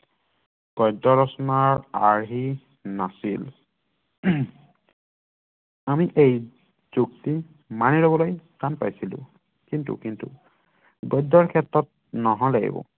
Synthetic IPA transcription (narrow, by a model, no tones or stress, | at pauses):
ɡ̥ɔjdɔɹɔsɔnaɹaɹɦi | nasil | amiʔej | z̥ukti | manilobɔlojtanpajsilʊ̰̃ | kintṵkintṵ | ɡɔjdɔɹkʰɛtɹɔt̚ | nɔɦɔlaɡḭbɔ̰